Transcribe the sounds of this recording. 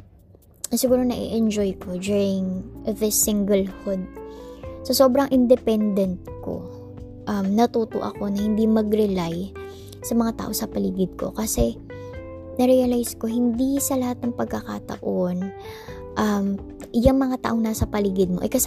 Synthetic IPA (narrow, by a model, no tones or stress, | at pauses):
ɐsɪɡuːɾo̞nɐʔḭʔɛnd͡ʒojkʰo̞d͡ʒ̪uɹɪŋʔɐvɪsɪŋɡɛlhʊd̪̚ | sɐso̞ːbɾɐŋʔɪnd̪ɛpɛnd̪ɛnt̪̚ko̞̰ | ʔɐmnɐt̪uːt̪o̰ʔɐ̰ko̞nɐhɪnd̪imɐɡɾɛlaj | sɐmɐŋat̪a̰ːʔo̞sɐpɐliːɡɪd̪̚ko̞̰kɐsɛ | nɐɾiɐlajsko̞hɪnd̪isɐlɐhat̪̚nɐŋpɐɡ̚kːɐka̰t̪ɐ̰ʔon | ʔɐm | ʔjɐŋmɐŋat̪a̰ːʔo̞ŋnaːsɐpɐliːɡɪd̪̚mo̞ʔɐ̰kɐs